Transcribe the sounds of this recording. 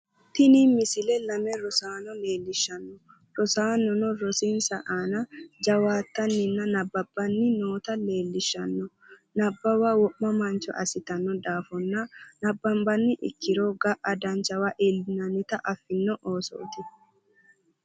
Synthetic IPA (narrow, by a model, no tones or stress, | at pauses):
t̪ɪnimɪsɪlɛlɐmɛɾɔsaːnɔle̞ːlːɪʃːɐnːɔ | ɾɔsaːnːɔnɔɾɔsinsɐʔaːnɐd͡ʒɐwaːt̪ːɐnːɪnːɐnɐbːɐb̥ːɐnːɪnoːt̪ɐle̞ːlːɪʃːɐnːɔ | nɐbːɐwɐwɔʔmɐmɐnt͡ʃɔ̰ʔɐ̰sɪt̪ɐnːɔd̪aːfɔnːɐnɐbːɐmbɐnːɪʔɪ̰kːɪɾoɡɐʔɐd̪ɐnt͡ʃɐwɐʔɛlːɪnɐnːɪt̪ɐʔɐfːɪnːɔʔoːso̰ːt̪ɪ